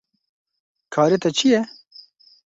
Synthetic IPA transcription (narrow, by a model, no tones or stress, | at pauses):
kʰɑːɾet̪ɐt͡ʃʰijɛ